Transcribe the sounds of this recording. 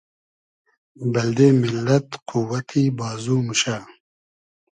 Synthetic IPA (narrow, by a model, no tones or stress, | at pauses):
bɐld̪eːmɪlːɐt̪qʰuwɐt̪ʰibɑːzuːmuɕaː